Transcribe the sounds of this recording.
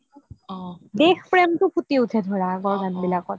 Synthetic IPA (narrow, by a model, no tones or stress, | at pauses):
dexpɹɛmtʊpʰutiutʰɛdʱɔɹaɡɔɹɡanbilakɔt